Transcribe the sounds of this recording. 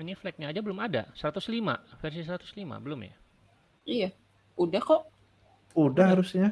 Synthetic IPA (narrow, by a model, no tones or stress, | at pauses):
niflɛk̚ɲaːd͡ʒabəlʊmada̰səɾat̪ʊslima̰fɛrs̬is̬əɾat̪ʊ̥slima̰bəlʊmja̰ | ija | udahkɔʔ | udahɦaɾusɲa